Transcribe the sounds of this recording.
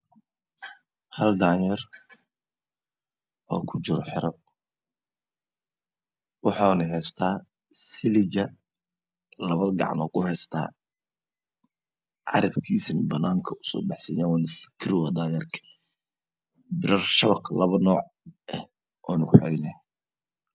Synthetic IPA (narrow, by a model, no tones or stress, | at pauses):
hɐld̪aːjɛr | ʔɔːkʰʊt͡ʃɪɾɔħɪɾɔ | wɑħɑnɐɦɛːst̪ʰaː | sɪlɪd͡ʒɐ | lɐβɐðɡɑ̰ʕmɔkʰʊhɛst̪ʰa̰ː | ʕɑ̰ɾɐbkʰiːsɐnbɐnaːŋkʰɐʊ̥sɔ̰ːbɑħsɐjaːwaːnʊfkʰɪɾɪwɐd̪aːjɐrkʰɐ̥ | bɪɾɐrʃɐβɐqlɐβɐnɔːʕ | ʔɛh | ʔɔːnʊkʰʊħɛ̰ɾɛnɐh